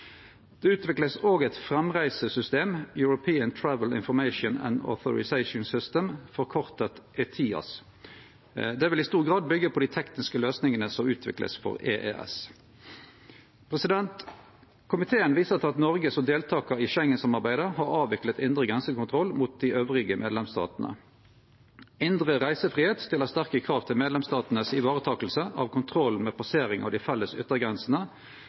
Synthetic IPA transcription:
d̪̥ɛʉːt̪ʋɪkləsoːɡɛt̪fʁɛmʁæɪsəsʏst̪eːmjʉɹʊpʰiːənt̪ʰɹæʋəlɪ̰nfɔʁmæɪʃʊnæ̰nd̪ɔ̰θʊ̰ɹɪ̰sæɪʃʊnsʏst̪əmfɔʁkʰɔʁt̪ət̪ʔɛt̪ʰiːɑ̰s | d̪ɛʋɪlɪst̪uːʁɡʁɑːd̪̚bʏɡːəpʰɔd̪iːt̪ʰɛknɪskəløːsnɪŋənəsɔmʉːt̪ʰʋɪ̰klʔə̰sfɔ̰ʁḛːʔeʔɛ̰s | pʰʁɛsɪd̪ɛnt̪ | kʰʊmɪt̪ʰeːənʋiːsəʁt̪ʰɑt̪nɔʁɡəsɔd̪eːlt̪ʰɑːkəɪʃɛŋːənsɑmɑʁbæɪd̪əhɑʁɑːʋɪklət̪ɪnd̪ʁəɡʁɛnsəkʊnt̪ʰʁɔlːmut̪̚d̪ɪʔøːʋʁɪɡəmʔeːd̪lɛmst̪ɑ̰ːt̪nə̰ | ɪnd̪ʁəʁæɪsəfʁiːheːt̪st̪ɪlːəst̪æʁkəkʰʁɑːʋt̪ʰɪlmeːd̪lɛmst̪ɑːt̪nəsɪʋɑːʁət̪ʰɑːkəlsəʔɑ̰ʋkʰʊnt̪ʰʁɔlːmɛːpʰɑseːʁɪŋʔɑ̰ʋd̪ɪfɛlːəsʏt̪ːəɡʁɛnsn̩ə

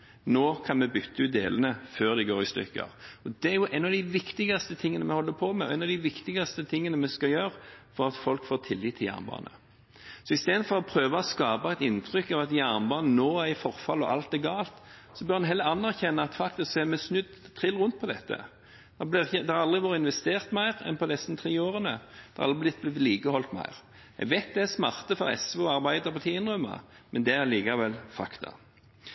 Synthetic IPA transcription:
noːkʰɑnmɛbʏt̪ːəʉːt̪̚d̪ḛːlənəføːʁd̪ɪɡoːɾɪst̪ʏ̰kːə̰ɔd̪ɛæɾjʊʔɛnɑʋd̪ɪʋɪkt̪ɪɡɑst̪ət̪ʰɪŋːənəmɛhɔlːəpʰɔmɛɔɛɪnɑʋd̪ɪʋɪkt̪ɪɡɑst̪ət̪ʰɪŋːənəmɛskɑjøːɾfɔɾɑt̪fɔlkfoːt̪ʰɪlːiːt̪ʰːɪljæ̰ʁnbɑ̰ːnə̰ | sɔɪst̪eːd̪əd̪fɔʁɔpʰɾøːʋəɔskɑːbəɑæɪt̪ɪnt̪ʰɾʏkːɑʋɑt̪jæʁnbɑːnənoːæɪfɔʁfɑlɔ̰ʔɑ̰lt̪̚ɛɡɑːlt̪sɔbœʁɑnɦɛlːəɾɑnːæʁçɛnːɑɑt̪fɑk̚t̪ɪskseːmɛsnʉd̪t̪ʰɪlʁʊnt̪̚pʰɔd̪ɛt̪ːə̰ | d̥̪ɛb̪ɪʁɪçəd̪ɛhɑɾɑld̪ʁɪʋoːɾəɪnʋɛst̪eːʁt̪mæɪʁɛ̰npɔd̪ɛst̪nt̪ʰɾiːoːʁənəd̪ɛɑɾɑ̰lɪblɪt̪̚blɪliːkəhɔlt̪mæ̰ɪʁ | ɛ̰ɡʋæɪt̪̚d̪ɛæsmɑʁt̪əfɔɾɛ̰sʋuɑʁbæɪd̪əʁpʰɔt̪ʰiːənʁʉmːə̰ | mɛnd̪ɛæɾliːkɑʋɛlfɑ̰kt̪ʰɑ̰

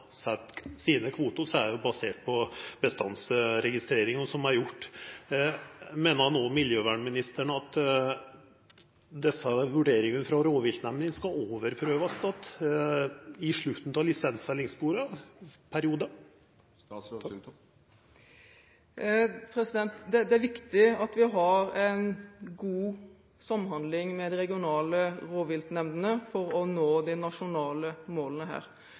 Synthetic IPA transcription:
sɛt̪ːsiːnəkʰʋuːt̪ʊsɔæɾjʊbɑseːʈ̚pʰɔbəst̪ɑnsɾɛɡɪst̪ɾeːɾɪŋɔsɔmæɾjʊʈː | meːnəɾhɑnoːmɪljøːʋæːɳmɪnɪst̪əɳəɑt̪ | d̪ɛsəʋʉɖeːɾɪŋənfɾɑɾoːʋɪlt̪nɛmnɪŋskɑoːʋəɾpʰɾøːʋɑst̪ɑt̪ː | ɪʂɭʉt̪ːn̩t̪ʰɑʋlɪsɛnsʋɛlːɪŋsbuːɾəpʰæɾɪuːd̪ə | pʰɾɛsɪd̪ɛnt̪d̪ɛd̪ɛæɾʋɪkt̪ɪɑt̪ʋɪɦɑɾɛnɡuː | sɑmːhɑnd̪lɪŋmɛd̪ɪɾɛɡɪʊnɑːləɾoːʋɪlt̪nɛmd̪ənəfɔɾɔnoːd̪ɪnɑʂʊnɑːləmoːlənəɦæ̰ːɾ

